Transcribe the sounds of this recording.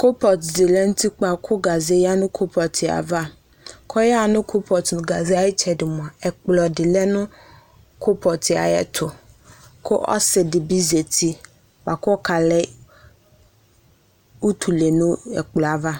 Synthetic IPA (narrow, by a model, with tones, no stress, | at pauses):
ko˦pɔ˨tdɪ˨lɛ˦n̩˦tʰi˦k͡pa˨kʰʊ˦ɡa˨ze˦ja˦nʊ̃˦kʰo˦pʰɔ˨tʰɪ˨a̰˨va˦ | kʰɔ˦ja˦˨nʊ̃˦kʰo˦pʰɔ˨tnʊ̃˨ɡa˨zi˦a˦˨jɪ˦t͡ʃʰɛ˨dɪ˨mʊ̃˨a˨ɛ˨k͡plɔ˨dɪ˨lɛ˦nʊ̃˦ | kʰʊ˦pʰɔ˨tɪ˨a̰˨jɛ̰˦tʰʊ˨ | kʰʊ˦ʔɔ̰˦sɪ˨dɪ˨bi˦ze˨tʰi˦ | k͡pa˨kʊ˦ɔ˦kʰa˨lɛ˦ | u˦tʰu˨le˨nʊ̃˦ɛ˨k͡plɔ˨a˨va˦